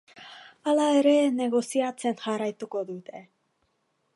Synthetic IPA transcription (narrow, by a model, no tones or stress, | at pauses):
alaeɾe̞ne̞ɣ̞o̞siat͡se̞nʝarajt̪uko̞ðut̪e̞